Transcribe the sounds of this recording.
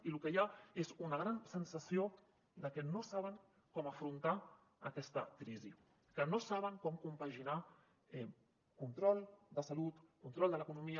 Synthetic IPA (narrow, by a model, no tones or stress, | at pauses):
ilukəjaezunəɣ̞ɾansənsəsio | d̪əkɛnosaβ̞əŋ | kɔməfɾunt̪a | əkɛst̪əkɾizi | kənosaβ̞əŋkɔmkumpaʒina | ɛ | kunt̪ɾɔlˠd̪əsəlut̪kunt̪ɾɔlˠd̪ələkunumiə